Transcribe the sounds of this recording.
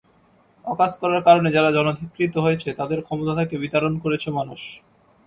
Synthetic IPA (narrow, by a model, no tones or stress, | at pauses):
ɔkaskɔɾaɾkaɾoned͡ʑaɾad͡ʑɔnod̪ʱikːɾit̪oɦojet͡ɕʰet̪ad̪eɾkʰɔmot̪at̪ʰekebit̪aɾonkoɾet͡ɕʰemanuʃ